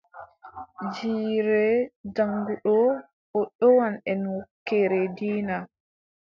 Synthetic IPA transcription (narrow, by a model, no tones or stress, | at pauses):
d͡ʒiːɾɛd͡ʒaŋɡuɗɔ | ɓɔɗɔwanɛnwɔkːɛɾɛdiːna